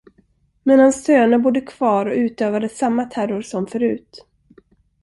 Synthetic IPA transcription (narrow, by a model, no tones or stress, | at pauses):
mɛnhanst̪ʰøːnəbʊd̪ːəkʰv̥ɑːɾɔʉ̟ːt̪øːvad̪əsamːat̪ʰæɾʊɾsɔmfœɾʉ̟ːt̪